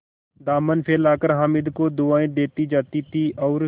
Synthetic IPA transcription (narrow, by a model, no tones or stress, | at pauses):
d̪aːmənpʰeːlaːkəɾɦaːmɪd̪kod̪ʊaːẽd̪eːt̪id͡ʒaːt̪it̪ʰiʔɔːɾ